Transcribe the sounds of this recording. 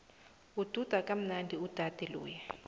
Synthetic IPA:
ud̥ʱud̥ʱakʼam̩nandʱiud̥ʱad̥ʱɛlṵːjɛ

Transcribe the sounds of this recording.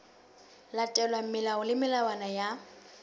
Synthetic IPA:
latʼɛlwam̩mɪlaʊlɪmɪlawanaja

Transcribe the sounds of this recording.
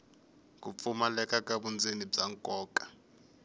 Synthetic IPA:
kup̪fumalɛkʼakabund͡zenib͡ʐaŋkʼɔːkʼḁ

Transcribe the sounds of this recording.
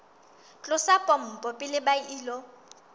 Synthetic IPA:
t͡ɬʼʊsapʼɔm̩pʼɔpʼɪlɪbaʔiːlɔ

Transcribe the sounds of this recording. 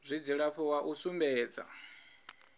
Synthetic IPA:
zʷid͡ziɺaɸʰɔwaʔusumbɛːd͡za̰

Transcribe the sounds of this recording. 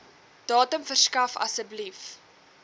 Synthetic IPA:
d̥ɑːtəmfərskɐfɐ̰səblif

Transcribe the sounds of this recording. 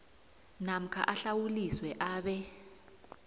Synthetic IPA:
nam̩kʰa̰ʔaɬawuliswɛʔaːɓɛ

